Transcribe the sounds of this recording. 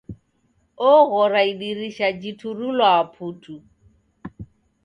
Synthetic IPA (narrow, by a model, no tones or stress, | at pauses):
ɔɣɔɾaiɗiriʃad͡ʒitʰurulwaːpʰuːtʰu